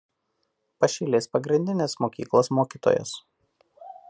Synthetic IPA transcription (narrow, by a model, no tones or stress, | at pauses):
pɐʃʲilʲeːspɐɡɾʲɪnʲd̪ʲɪnʲeːsmoːkʲḭːklˠoːsmoːkʲiːt̪o̰ːjo̰s